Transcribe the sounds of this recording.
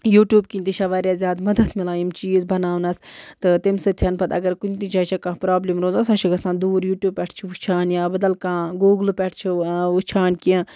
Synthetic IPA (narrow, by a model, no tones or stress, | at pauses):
juːʈjuːbkinʲt̪it͡ʃʰɐʋaːɾʲjaːzʲjaːd̪mɐd̪ɐt̪milaːjimt͡ʃiːzbɐnaːwnɐst̪ɨt̪imsɨt̪ʰjɐnpʰɐt̪ɐ̰ɡɐɾkunʲt̪it͡ʃʰaːt͡ʃʰɐkãːpɾaːblimɾoːzasaːt͡ʃʰiɡɐsãːnd̪uːɾjuːʈjuːbppʲɛʈʰt͡ʃʰiʋut͡ʃʰaːnjaːbɐd̪ɐlkãːɡuːɡlpʲɛʈʰt͡ʃʰiut͡ʃʰaːnkiãː